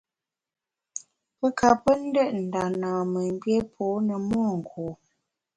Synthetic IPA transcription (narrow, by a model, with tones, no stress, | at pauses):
pə˦ka˨pə˦n̩˦də˦˨ʔn̩˨da˨naː˨mə˨m˦bje˦pʰoː˨˦nə˨mɔː˦˨ŋ̩˨kʰoː˨